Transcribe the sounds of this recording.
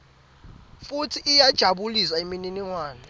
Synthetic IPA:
futʰiʔːjad̥ʒ̥ʱaɓuliswaimininiŋwaːnɔ

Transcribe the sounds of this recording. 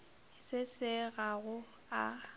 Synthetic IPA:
sɪsɪɣaɣʊ | a̰

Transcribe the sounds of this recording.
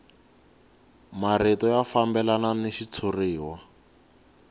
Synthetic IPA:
maretɔjafambɛlananeʃit͡sʰoriːwa

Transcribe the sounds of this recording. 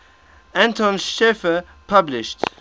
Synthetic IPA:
æ̃ntʰɔ̃nʃɛfə | pʰʌblɪʃt

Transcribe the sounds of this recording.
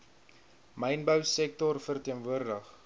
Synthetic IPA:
məjnbəwsɛk̚tɔrfərtiənvuərdəχ

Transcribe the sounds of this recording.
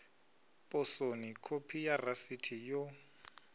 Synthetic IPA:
pʼʊsonikʰopʰijarasitʰijo

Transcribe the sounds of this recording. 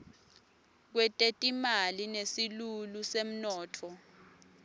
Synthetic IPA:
k̬wɛtʼetʼimalinesilulusem̩nɔːtʰɔ

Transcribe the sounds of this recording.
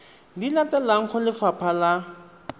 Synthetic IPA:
lilatɛlaŋ̩χɔlɪfapʰala

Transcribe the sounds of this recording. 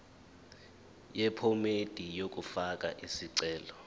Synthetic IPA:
jɛpʰɔmed̥ʱijok̬ʼufak̬ʼa̰ʔisiǀɛːlɔ

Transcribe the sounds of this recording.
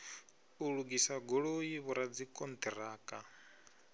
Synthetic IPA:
uɺuɡisaɡoɺojiβuɾad͡zikʼɔnd̪ʰiɾaːkʼa

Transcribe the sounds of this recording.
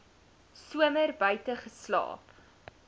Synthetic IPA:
suəmərbœɥtəχəslɑ̰ːp

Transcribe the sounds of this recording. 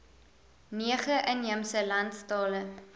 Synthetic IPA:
niəχəʔəniəmsəlɐntstɑːlə

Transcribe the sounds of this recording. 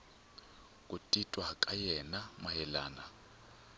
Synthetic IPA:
kʼutʼitʼwakʼajɛnamajɛla̰ːna

